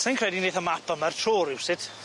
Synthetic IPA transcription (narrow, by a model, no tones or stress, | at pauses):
sɪnkʰr̥ɛdineːðəmapʰəmərtʰroːɾɪwsɪd̥